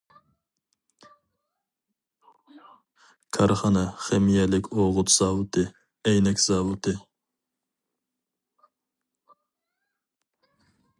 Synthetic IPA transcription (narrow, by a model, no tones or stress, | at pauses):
kʰɑɾχɑnɛχemijɛlɪkʲʰoʁʊt̪z̥ɑːwɨt̪ʰɨ | ɛjnɛkʲz̥ɑːwɨt̪ɨ